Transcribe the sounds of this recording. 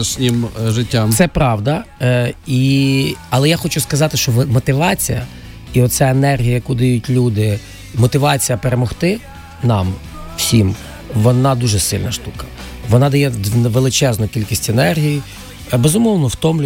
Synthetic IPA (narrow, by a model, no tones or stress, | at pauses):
ʃnʲimʒɪtʲːamtsɛpɾɑʋd̪ɐ | i | ɐlˠɛjaxɔt͡ʃʊskɐzɑt̪ɪʃt͡ʃɔʋmɔt̪ɪʋɑt͡sʲḭjɐ̰ | iɔt̪sʲɛenɛrɦʲijɐjɐkud̪ɐjutʲlʲud̪ɪ | mɔt̪ɪʋɑt͡sʲijɐpeɾemɔxt̪ɪ | nɑmw̥sʲim | ʋɔnɑd̪uʒɛsɪlʲnɐʃt̪ukɐ̥ | ʋɔnɑd̪ɐjɛʋelˠɪt͡ʃɛznɔkʲilʲkʲisʲtʲɛnɛrɦʲiji | bezʊmɔwnɔwt̪ɔmʲ